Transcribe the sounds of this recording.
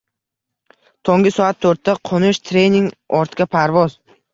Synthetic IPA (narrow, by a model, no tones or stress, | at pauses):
t̪ʰoŋɡʲɪsɒat̪ʰːɵɾt̪ʰːaqʰonɪʃt̪ʰɾejniŋɡɒɾt̪kʲapʰaɾvɒz